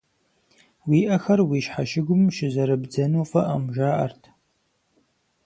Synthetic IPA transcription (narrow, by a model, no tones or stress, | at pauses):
wiːʔɐxɐrwiːʃħaʃɪɡʷʊmʃɪzɐɾɨbd͡zɐnoːfɐʔɐ̰mʒaːʔɐ̰rtʰ